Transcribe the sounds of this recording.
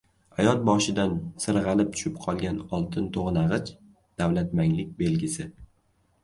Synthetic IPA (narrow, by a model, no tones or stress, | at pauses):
hajɒt̪̚bɒʃɪd̪ansɨɾʁɑlɪp̚t̪ʰʊ̥ʃɪpqʰɒlˠɡʲanɒlˠt̪ʰɪnt̪ʰoʁnaʁɨt͡ʃ | d̪̥awlat̪maŋlɪk̚ʲbe̞lɡʲɪsɪ